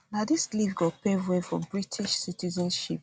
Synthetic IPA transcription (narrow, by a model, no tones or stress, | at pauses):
nadislivɡɔpɛwefɹɔ̰̃mbɹitʰiʃsitizə̃nʃḭp̚